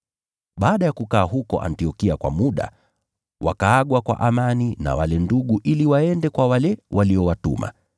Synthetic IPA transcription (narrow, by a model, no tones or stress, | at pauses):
ɓaːɗajakukaːɦukɔ̰ʔa̰ntiɔkiakwa̰muɗa̰ | wa̰kaaɠwakwa̰ʔamanina̰walɛnduɠuʔiliwaɛndɛkwawalɛwʔaliɔwatṵma̰